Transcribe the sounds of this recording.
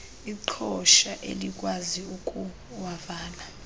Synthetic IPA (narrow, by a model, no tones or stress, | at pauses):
iǃʰɔʃaʔḛlik̬ʼwaziukʼu | wavaːla